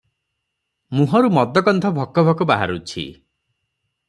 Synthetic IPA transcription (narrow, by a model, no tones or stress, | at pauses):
muɦɔɾumɔd̪ɔkɔnt̪ʰɔbʱɔkːɔbʱɔkɔbaɦa̰ɾut͡ʃʰḭ